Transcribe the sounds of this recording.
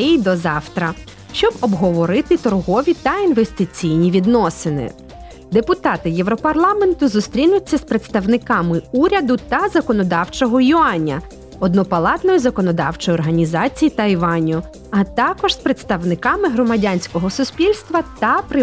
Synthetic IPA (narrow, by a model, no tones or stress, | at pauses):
d̪ɔzɑwt̪ɾɐ | ʃt͡ʃɔbɔbɦɔʋɔɾɪt̪ɪt̪ɔrɦɔʋʲit̪ɐinʋest̪ɪt͡sʲijnʲiʋʲid̪nɔsɪnɪ̰ | d̪epʊt̪ɑt̪ɪjɛwɾɔpɐrlˠɑment̪ʊzʊst̪ɾʲinʊt͡sʲːɐspɾet̪st̪ɐwnɪkɑmɪuɾʲɐd̪ʊt̪ɐzɐkɔnɔd̪ɑwt͡ʃɔɦɔjʊɑnʲːɐ̰ | ɔd̪nɔpɐlˠɑt̪nɔjizɐkɔnɔd̪ɑ̰wt͡ʃɔjɔrɦɐnʲizɑt͡sʲijit̪ɐjʋɑnʲʊ | ɐt̪ɑkɔʒspɾet̪st̪ɐwnɪkɑmɪɦɾɔmɐdʲanʲsʲkɔɦɔsʊsʲpʲilʲst̪ʋɐt̪ɐpɾɪ